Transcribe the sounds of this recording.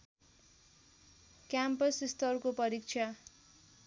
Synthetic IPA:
kjampʌsist̪ʌrkopʌɾik̚t͡ʃʰa

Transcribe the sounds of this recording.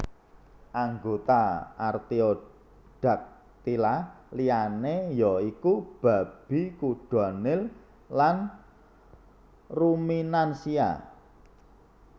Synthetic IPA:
ʔaŋɡot̪aart̪io | ɖ̥a̤k̚ | t̪ilalijanejɔikub̥a̤b̥i̤kuɖ̥a̤nɪl | lan | ruminansia̰

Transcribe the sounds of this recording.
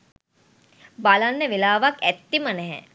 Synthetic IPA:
balanːəʋelaːʋakæt̪ːimənɛɦɛ̰

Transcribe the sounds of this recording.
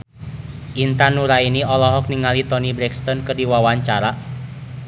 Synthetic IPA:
ʔint̪anuɾainiɔlɔɦɔk̚niŋalit̪ɔnibɾɛkst̪ɔnkərdiwawaɲt͡ʃaɾa

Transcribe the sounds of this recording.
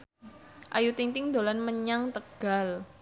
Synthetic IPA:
ʔa̰jut̪iŋt̪ɪŋd̪olanməɲaŋt̪əɡ̥al

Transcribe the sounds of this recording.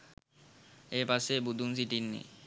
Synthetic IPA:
epasebud̪ʱuns̬iʈinːḭ

